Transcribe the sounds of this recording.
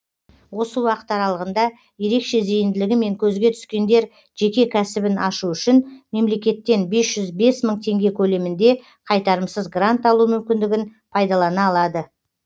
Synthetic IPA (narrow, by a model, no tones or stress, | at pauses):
wo̞səwɑqə̥t̪ɑɾɑlˠəʁənd̪ɑ | je̞ɾe̞kʃe̞ze̞jɪnd̪ɪlɪɡʲɪme̞ŋkʲʰɵzɡʲe̞t̪ʰʏ̥skʲe̞nd̪e̞ɾ | ʒ̥e̞kʲe̞kʲʰæsɪbɪnɑʃuʏʃɪnme̞mle̞kʲe̞t̪ːe̞nbe̞sʒ̥ʏzbe̞sməɴt̪ʰe̞ŋɡʲe̞kʲʰɵle̞mɪnd̪e̞ | qʰɑjt̪ɑɾəmsəzɡrant̪ɑlˠumʏmkʲɪnd̪ɪɡʲɪnpʰɑjd̪ɑlˠɑnɑːlˠɑd̪ə